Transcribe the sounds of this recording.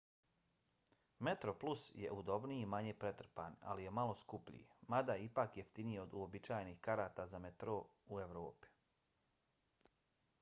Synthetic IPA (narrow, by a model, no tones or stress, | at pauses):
met̪ɾoplˠusjḛʔud̪o̞bnijimaɲeːpɾe̞t̪r̩pa̰na̰lije̞malo̞skupʎḭjemad̪aipaːkjeft̪inijeo̞d̪uobit͡ʃaːjenixkaɾaːt̪aːzamet̪ɾoueʋɾoːpi̥